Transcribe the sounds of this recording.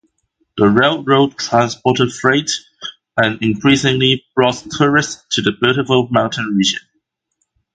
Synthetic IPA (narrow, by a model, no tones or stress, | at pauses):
ðəɹeɪlˠɹoʊd̚tʰɹ̥ãnspɔˑtəd̥fɹeɪt | ə̃nɪ̃nkʰɹ̥isɪ̃ŋlib̥ɹɔttʰʊɹɪstʰɨðəbɜɾəvɪlˠmãʊ̃ntʰə̃nɹid͡ʒə̰̃n